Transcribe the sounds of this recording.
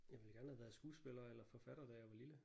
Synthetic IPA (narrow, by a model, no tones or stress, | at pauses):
jɑ̈ɪʋe̝l̩ɡ̥æɐnəhæʋæːð̩ˠsɡ̥uːsb̥elɐːelɐfɒ̽fæɾ̥ɐd̥æjɑ̈ɪʋɑ̈lilə